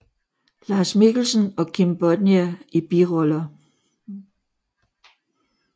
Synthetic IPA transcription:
lɑ̈ːsmiɡ̥l̩sənɒ̽kʰimb̥ɒd̥niæib̥iʁɔlɐ

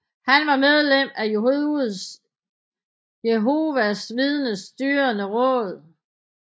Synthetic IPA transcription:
hænʋɑ̈með̞ˠlem̰æjh̩ˠs | jeɦo̝ʋæsʋið̞ˠnəsd̥yːɐnəʁɔ̰̽ːð̞̩ˠ

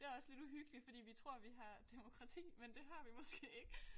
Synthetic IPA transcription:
d̥e̝æɐɒ̽sle̝d̥uɦyɡ̥əli̥fɒ̽d̥ḭːʋit͡sʰʁo̝ɐ̰ʋiɦɑ̈d̥emo̝kʰʁɑ̈t͡sʰḭːmend̥e̝ɦɑ̈ʋimɔ̽sɡ̥e̝̰ːe̝ɡ̥ə

